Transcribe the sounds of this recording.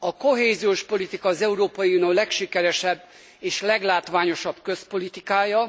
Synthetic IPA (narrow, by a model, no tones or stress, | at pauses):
ɒkoɦeːzioːʃpo̞lit̪ikɒːzɛuɾoːpɒjiunoːlɛkʃikɛɾɛʃɛbː | eːʃlɛɡlaːt̪ʋaːɲo̞ʃɒb̥kø̞spo̞lit̪ikaːjɒ